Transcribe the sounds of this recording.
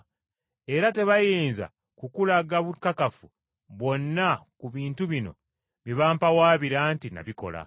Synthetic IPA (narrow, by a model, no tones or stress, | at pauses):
e̞ɾate̞βajiːnza̰ | kukulaɡaβukːakafu | βo̞nːakuβiːntuβino̞̰ | βiβaːmpawaːβiɾaːntina̰βiko̞̰la̰